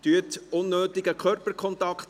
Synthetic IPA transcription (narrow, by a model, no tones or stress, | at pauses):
tyətʊnːøːtɪɡəkʰœrpəkʰχɔnt̪ɑkχt̪